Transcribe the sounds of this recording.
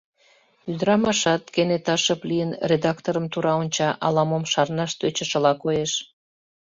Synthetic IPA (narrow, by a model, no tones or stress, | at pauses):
yd̪əɾɑmɑʃɑt̪kenet̪ɑʃəplijənred̪ɑkt̪oɾəmt̪uɾɑonʲt͡ɕɑʔɑlɑmomʃɑrnɑʃt̪øt͡ɕəʃəlɑkojeʃ